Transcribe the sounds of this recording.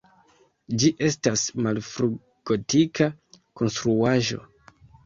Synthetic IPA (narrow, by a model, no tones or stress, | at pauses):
d͡ʒiʔe̞stasmalfɾu | ɡ̥o̞tika | ko̞nstɾuaʒo̞̰